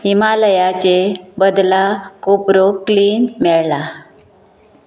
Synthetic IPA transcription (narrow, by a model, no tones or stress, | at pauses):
ɦimaləjat͡ɕebəd̪lakopɾokliːnmɛɭla